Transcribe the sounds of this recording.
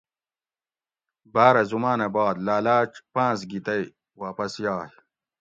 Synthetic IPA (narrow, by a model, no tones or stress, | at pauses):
baːɾɐzumaːnɐbaːd̪laːlaːt͡ʃpãːsɡit̪ɐj | waːpɐsjaːj